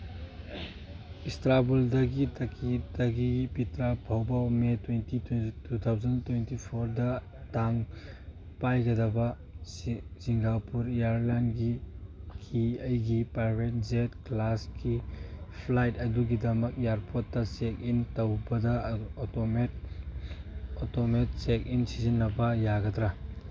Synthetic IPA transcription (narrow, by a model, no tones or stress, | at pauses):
istɾabuldɐɡitʰɐkʰidɐɡipitɾabʰʱɐwbawmetwentittut̪ʰawzɐntwentipʰoɾdɐ | taŋ | pajɡɐdɐbɐ | siŋɡapuɾijaɾlanɡikʰiɐjɡipajbʱet̚zet̚klaskipʰlajtɐduɡidɐmɐk̚jaɾpʰotːɐsekintɐwbɐdɐomet | otomet̚sekinsizinːɐbɐjaɡɐdɾa